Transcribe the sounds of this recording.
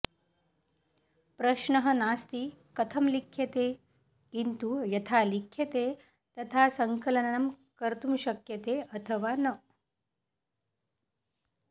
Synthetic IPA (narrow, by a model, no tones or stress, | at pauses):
pɾəɕɳəɦənast̪ikɐt̪ʰəmlikʰjet̪e | kint̪ujɐt̪ʰalikʰːjet̪e | t̪ɐt̪ʰasəŋkələnənɐmkəɾt̪umɕəkjet̪eɐt̪ʰəʋanə